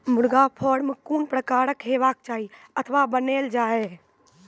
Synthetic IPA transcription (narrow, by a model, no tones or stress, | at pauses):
mʊɽɡapʰoːɽmekuːnpɾəkaːɾəkɦeːʋaːk̚t͡ʃaːɦi | ət̪ʰʋabəneːld͡ʒaːe